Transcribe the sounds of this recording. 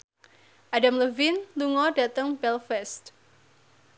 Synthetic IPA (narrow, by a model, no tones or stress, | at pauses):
ʔadamləvinluŋɔd̥a̤t̪əŋbɛlfɛst̪̚